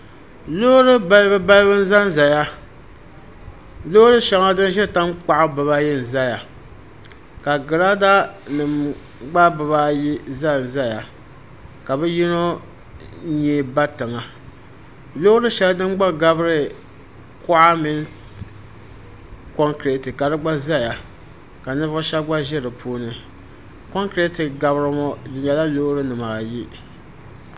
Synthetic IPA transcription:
lo˦ɾɨ˦ba˦lbɨ˦ba˦lbɨ˦n̩˦za˦n˨za˨ja˦ | lo˦ɾɨ˦ʃa˨ŋa˦dɨ˦n˦ʒɛ˦˨ta˦mk͡pa˦ʔa˦bɨ˨βa˦jɛ˦n̩˨za˦ja˨ | ka˨ɡɨ˨ɾa˦da˦nɨ˨m | ɡ͡ba˦bɨ˨ba˦ji˦za˦n˨za˦ja˨ | ka˨bɛ˦ji˦no˦ | ɲɛː˨ba˦tɨ˨ŋa˨ | lo˦ɾɨ˦ʃɛ˦dɨ˦mɡ͡ba˦ɡa˦bɨ˦ɾɨ˦ | kʊ˦ʔa˦mɪ˦n | kɔ˦ŋkɾe˨tɨ˨ka˨dɨ˦ɡ͡ba˦za˦ja˨ | ka˨nɨ˦vʃa˦ɡ͡ba˦ʒɪ˦ɾɨ˨pʰuː˦nɨ˦ | ko˦ŋkɾe˦tɨ˨ɡa˨bɾɨ˦mɔ˦dɨ˨jɛ˨la˦loː˦ɾɨ˦nɨ˨ma˨ji˦

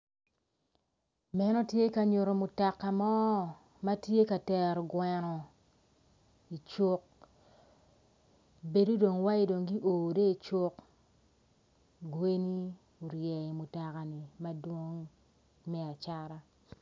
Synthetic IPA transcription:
mɛ˦nɔ˦tje˦ka˨ɲo˨ɾo˨mu˨ta˨kːa˨mɔ˦˨ | ma˦tje˦ka˨tɛ˨ɾɡwɛ˨nɔ˨ | i˨t͡ʃo˦k̚ | be˨du˦do˨ŋwa˦i˦do˨ŋɡi˦ʔoː˨de˦i˨t͡ʃo˦k | ɡwe˦ni˦ | u˨ɾjɛ˨i˨mu˨ta˨ka˨ni˨ma˦dwo˦ŋ | mɛ˦a˨t͡ʃa˦ɾa˦

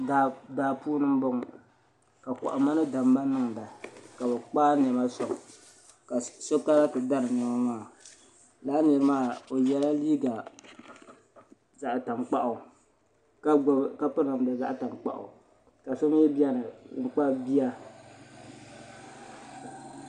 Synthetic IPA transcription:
a˨daː˨puː˦nɨ˦m˦bo˦ŋ˨ | ka˨kɔ̰˨ʔa˨ma˦nɨ˦da˨m˦ba˦nɨ˦ŋda˨ka˨bɛ˨k͡paː˦n˨ɛ˨ma˦sɔ˨ | ka˨so˦ka˦la˦tɨ˨da˦nɨ˨nɛ˨ma˦maː˦˨ | laː˦nɨ˨ɾɨ˦maː˦o˨jɛ˦la˦liː˦ɡa˨ | za˨ʔta˨ŋk͡pa˦ʔʊ˨ | ka˦ka˦pɨ˦ɾɨ˨m˨da˨za˦ʔta˨ŋk͡pa̰˨ʔʊ̰˨ | ka˨so˦m˦ji˦ba˦nɨ˨˦ŋ͡m̩˨k͡pa˦bi˦a˦

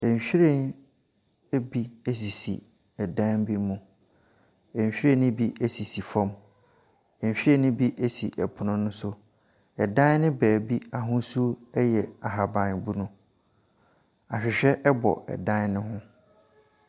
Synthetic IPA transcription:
ɛ̃˨ɲ˨ɕᶣi˦ɾe˦˨n | e˦bi˦e˦s̬i˨sḭ˨ | ɛ˨dã˦m˦bi˦mũ˨ | ɛ̃˨ɲ˨ɕᶣi˦ɾẽ˦nʊ̃˦bi˦e˦si˨si˨fɔ̃˦m | ɛ̃˨ɲ˨ɕᶣi˦ɾẽ˦nʊ̃˦bi˦ʔe˦si˨ʔɛ˨pʰʊ˨nʊ̃˦nʊ̃˦sʊ˦ | ɛ˨dã˦n˦nɪ̃˦bæː˨bi˦a˨ɦʊ̃˦su˦ɛ˦jɛ˨a˨ɦa˨bã˨nbu˦nʊ̃˦ | a˨ɕᶣɪ˨ɕᶣɛ˦ʔɛ˦bɔ̰˨ɛ̰˨dã˦nnʊ̃˦ɦʊ̃˦

